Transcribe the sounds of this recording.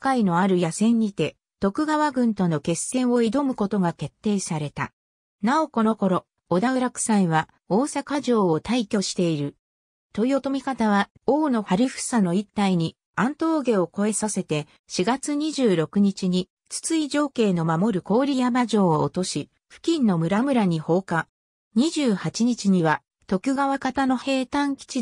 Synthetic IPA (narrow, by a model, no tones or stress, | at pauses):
kːaino̞aɾɯ̟jasẽ̞ɲ̟ːit̪e̞ | t̪o̞kɯ̟ɡaβaɡɯ̟̃nt̪o̞no̞ke̞sːẽ̞ɰ̃o̞id̪o̞mɯ̟ko̞t̪o̞ɡake̞t̪ːe̞ːsaɾe̞t̪a̰ | nao̞ko̞no̞ko̞ɾo̞ː | d̪aβɯɾakɯ̟̥sãɰ̃βa | o̞ːsakaʑo̞ːot̪aikʲo̞ɕi̥t̪e̞iɾɯ̟ | t̪o̞iot̪o̞mʲikat̪aβa | o̞ːno̞ɸaɾʲiɸɯ̟̥sano̞it̪ːaiɲ̟i | ãnt̪o̞ːɡe̞o̞ko̞e̞sase̞t̪e | ɕiɡat͡sɨɲ̟iʑɨːɾo̞kɯ̟ɲ̟it͡ɕiɲ̟i | t͡sɨ̥t͡sɨiʑo̞ːke̞ːno̞mamo̞ɾɯ̟ko̞ːɾʲijabaʑo̞ːoːt̪o̞ɕi | ɸɯ̟̥kʲĩnːo̞mɯ̟ɾamɯ̟ɾaɲ̟iho̞ːka | ɲ̟iʑɨːhat͡ɕiɲ̟it͡ɕiɲ̟iβa | t̪o̞kʲɯ̟ɡaβakat̪ano̞he̞ːt̪ãŋkʲi̥t͡ɕi